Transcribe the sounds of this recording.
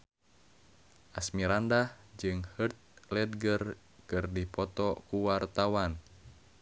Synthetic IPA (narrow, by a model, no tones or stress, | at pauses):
ʔasmiɾandah | d͡ʒɨŋhərt̪̚lɛd̪̚ɡər | kɨrdipɔt̪ɔkuwart̪awan